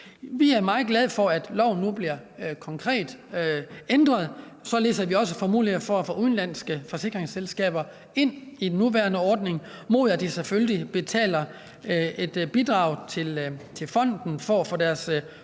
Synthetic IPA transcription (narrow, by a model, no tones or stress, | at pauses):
ʋiæɐmɑ̈ːð̩ˠɡ̥lɛð̞ˠfɒ̽æd̥lɒʊ̰n̩ːub̥liɐ̰kʰɒ̽ŋkʰʁɛ̰ːd̥ | end̥ʁɐð̞̩ˠ | sɒ̽le̝̰ːsɐʋiɒ̽səfɒmṵːliɐfɒæfɔ̰ːʔuðˠn̩læn̰sɡ̥əfɒ̽se̝ɡ̥ʁeŋselsɡ̥ɛ̰ːb̥ɐ | e̝n̰idenːuʋæɐnəɒːd̥ne̝ŋmo̝ðˠæd̥iseføllib̥e̝t͡sʰɛ̰ːlɐ | e̝d̥b̥id̥ʁɑ̈ːʊ̰t͡sʰe̝lt͡sʰe̝lfɒ̽n̰d̥n̩fɒæfɔ̰ːd̥æɐs